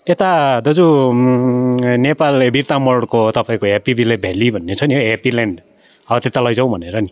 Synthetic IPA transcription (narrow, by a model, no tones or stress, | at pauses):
et̪ad̪ʌd͡zu | nepalebirt̪amʌɽkot̪ʌpaĩkoepibilebʱelibʱʌnːet͡sʰʌniepilanɖ | ʌt̪et̪alʌjd͡zãw̃bʱʌneɾʌni